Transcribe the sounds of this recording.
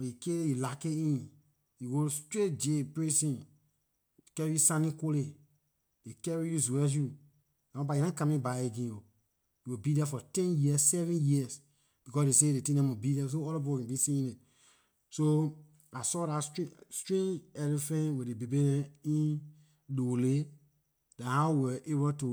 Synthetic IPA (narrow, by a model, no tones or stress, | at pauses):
ikeilakeĩn | jiɡostɹet̚d͡ʒepɹesĩn | kɛɹiusãnĩkole | dekɛɹijuzuɛs̬ju | nãɔ̃bajinãkãmĩbaeɡĩo | jiwibidɛfɔtɛ̃njiɛssɛvɛ̃njiɛs | b̥ikɔsdesedetĩnɛ̃wubidɛs̬oɔlɔp̬ipɔkɛ̃bisĩĩnɛ̃ | so | asɔɾaststɹẽnd͡ʒɛlifɛ̃nwedebebenɛ̃ĩn | dole | dãhawɛʔebotu